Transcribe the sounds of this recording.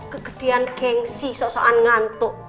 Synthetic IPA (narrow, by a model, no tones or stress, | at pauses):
kəɡ̥ə̤̥ɖ̪̥e̤anɡ̥ɛŋsisɔʔsɔʔanŋant̪ʊʔ